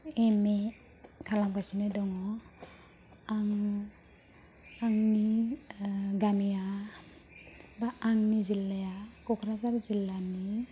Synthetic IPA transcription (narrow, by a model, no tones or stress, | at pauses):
eme | kʰalamɡasinedɔŋɔ | aŋ | aŋni | ɡanija | baːŋnizilːajakɔkʰɾazaɾzilːani